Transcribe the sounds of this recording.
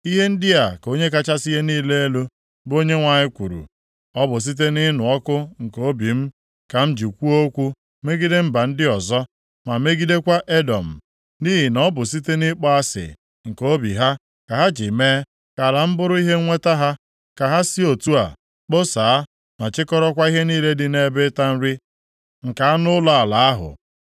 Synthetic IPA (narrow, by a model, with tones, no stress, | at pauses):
i˦ɦe˦n̩˦dɪ˦a˨ko˦ɲe˦ka˦t͡ʃa˦si˦ɦe˦niː˦le˦e˦lu˦ | bo˦ɲe˦ŋʷa˨ɲɪ˦kʷu˨ɾṵ˨ | ɔ˦bʊ˨s̬i˦t̬e˦nɪ˦nʊ˨ɔ˦kʊ˦ŋ̩˨ko˦bi˨m̩˦ | ka˨m̩˦d͡ʒi˨kʷu˦o˦kʷu˦ | me˦ɡi˦de˦m̩˦ba˨n̩˦dɪ˦ɔ˨zɔ˦ | ma˨me˦ɡi˦de˦kʷa˦ʔe˦dɔ˨m̩˨ | ni˦ɦɪ˨nɔ˦bʊ˨s̬i˦te˦nɪ˦k͡pɔ˦a˦sɪ̰˨ | ŋ̩˨ko˦bi˨ɦa˦ | ka˨ɦa˦d͡ʒi˨me˦ | ka˨la˨m̩˦bʊ˦ɾʊ˦i˦ɦe˦ŋʷe˦ta˦ɦa˦ | ka˨ɦa˦si˦o˨tu˦a̰˨ | k͡po˦sa˨a˦ | ma˨t͡ʃɪ˦kɔ˦ɾɔ˦kʷa˦i˦ɦe˦niː˦le˦dɪ˨ne˦be˦ta˦n̩˦ɾɪ˦ | ŋ̩˨ka˨a˦nʊ˦la˦a˨la˨a˦ɦʊ̰˨